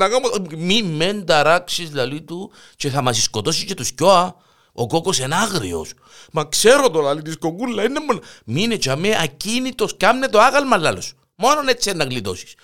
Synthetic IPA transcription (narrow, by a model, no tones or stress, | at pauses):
naɣammimːend̪aɾaksislalit̪u | t͡ʃexamas̬iskot̪osist͡ʃet̪uskoa | okokosenaɣɾḭo̰s | makseɾot̪olalit̪̬iskokulːainːemːonaminet͡ʃameakinit̪oskamnet̪oaɣalmalːalos | mononet͡ʃenaɣlit̪o̰si̥s